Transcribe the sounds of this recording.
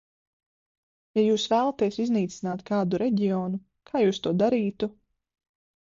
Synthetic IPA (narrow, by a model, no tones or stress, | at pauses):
jajuːsvæːlˠat̪iɛsizniːt̪sinaːt̪kaːd̪uɾɛɟʲiɔːnu | kʰaːjuːst̪uɔd̪aɾiːt̪u